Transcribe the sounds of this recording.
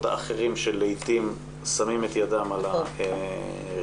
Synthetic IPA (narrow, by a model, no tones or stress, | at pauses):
t̪a̰aχeʁimʃelejt̪im | samimet̪jadamalae